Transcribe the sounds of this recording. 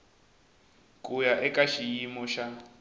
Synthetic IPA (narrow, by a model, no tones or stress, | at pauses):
kʼujaʔɛkʼaʃijimɔʃa